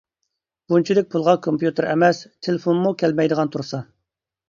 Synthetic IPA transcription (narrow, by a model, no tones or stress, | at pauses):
b̥unt͡ʃʰid̪ɪk̚ʲpʰulˠʁɑkʰompjut̪ɨɾɛmɛst̪ʰelefonmukʲʰɛlmɛjd̪əʁɑnt̪ʰuɾsɑ